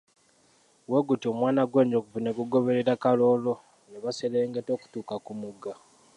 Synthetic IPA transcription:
weɡutio̞mwaːnaɡwe̞ːɲɟokuvuneɡuɡo̞βe̞ɾeɾakalo̞ːlo | neβaseleːŋɡeto̞ːku̥tuːkakumuɡa

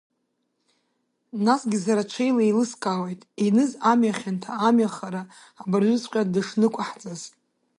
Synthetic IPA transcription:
nasɡʲizaɾat͡ʃʷʰejlailɨskʼawejtʼinɨzamɥjaχʲantʰaːmjaχaɾaː | barʒʷʏzqʲʼadɨʂnɨkʷʼaħt͡sʼaz

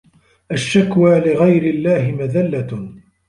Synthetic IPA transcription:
ʔaʃːakwaːlɪɣajɾɪlːaːhɪmaðalːa

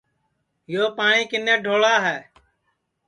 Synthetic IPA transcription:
joːpaːɳĩːkɪneːɖʱoːɭaːɦɛː

